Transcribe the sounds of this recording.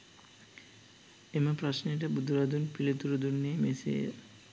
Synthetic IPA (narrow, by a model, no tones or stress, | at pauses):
eməpɾasneʈ̬əbud̪ʱuɾad̪unpilet̪uɾud̪unːemesḛ